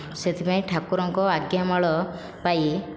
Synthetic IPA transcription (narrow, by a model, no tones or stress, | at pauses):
set̪ʰipaĩʈʰakuɾɔŋkɔaɡjamaɭɔ | paj